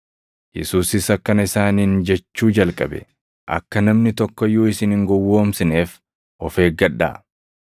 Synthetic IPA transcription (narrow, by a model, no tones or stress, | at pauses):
jɛ̰suːsɪsɐkːɐnɐɪsaːniːnd͡ʒɛt͡ʃːuːd͡ʒɐlkʼɐbɛ̰ | ʔɐ̰kːɐnɐmnɪt̪ɔkːɔjoːɪsɪnɪŋɡɔwːoːmsɪne̞ːf | ʔɔfe̞ːɡɡɐᶑːa̰ː